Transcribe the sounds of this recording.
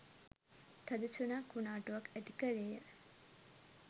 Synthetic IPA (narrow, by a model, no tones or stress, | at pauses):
t̪ɐd̪isunaːkunaːʈuʋɐkæd̪ikɐleːjə